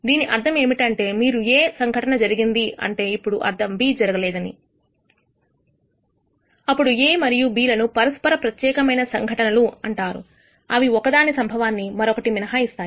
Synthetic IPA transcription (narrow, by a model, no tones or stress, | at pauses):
d̪iːniʔɐɾd̪ʱɐme̞ːmiʈɐɳʈe̞ːmiːɾueːsɐŋɡʱɐʈɐnɐd͡ʒɐɾiɡind̪iɐ̰ɳʈe̞ːipːuɽuʔɐ̰ɾd̪ʱɐmbiːd͡ʒɐɾɐɡɐlɛːd̪ɐnḭ | ɐpːuɽueːmɐɾijubiːlɐnupɐɾɐspɐɾɐpɾɐt̪jɛːkɐmɐjnɐsɐŋɡʱɐʈɐnɐluɐɳʈaːɾṵ | ɐʋiɔkɐd̪aːnisɐmbʱɐʋaːnːimɐɾɔkɐʈiʋinɐɦaːist̪aː